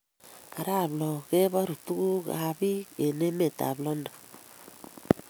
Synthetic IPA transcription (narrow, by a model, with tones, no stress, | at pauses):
a˨ɾa˦˨blɔ˨ɣe˦βa˦ɾu˨tu˦ku˦ɡa̰˦bi˦ke˨ne˦me˨ta̰˨blɔ˦nda˨